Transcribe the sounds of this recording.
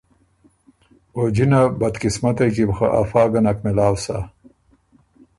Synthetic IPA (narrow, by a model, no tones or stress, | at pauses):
od͡ʒinabad̪kɪsmat̪akibxa̰ʔa̰fɑːɡanakmɪlaːwsa̰